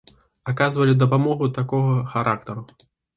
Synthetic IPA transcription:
akazvɐlʲid̪ɐpamɔɣut̪akɔɣɐxaɾʔak̚t̪ɐɾu

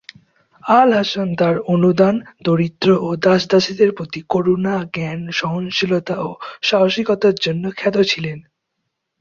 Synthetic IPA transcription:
alɦaʃont̪aɾonud̪and̪oɾit̪ːɾoʔod̪aʃd̪aʃid̪eɾpɾot̪ikoɾonaɡɛnʃɔɦonʃilot̪aoʃaɦoʃiɡot̪aɾd͡ʑonːokʰɛd̪ot͡ɕʰilen

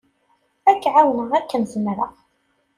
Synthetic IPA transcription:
ækːʕawnəʁækːənzəmɾəʁ

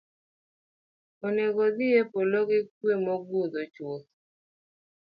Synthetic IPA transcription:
oneɡod̪ɪjepoloɡɪkwemɔɡod̪ot͡ʃot

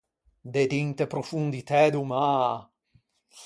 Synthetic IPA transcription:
d̪ed̪int̪epɾofund̪it̪ɛd̪uma

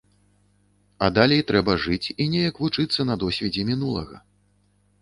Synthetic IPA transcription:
ɐd̪alʲejt̪ɾɛbɐʐɨt͡sʲinʲɛjɐkvut͡ʂɨt̪sːɐnɐd̪ɔsʲvʲɛd͡zʲɛmʲinulˠɐ̰ɣɐ̰

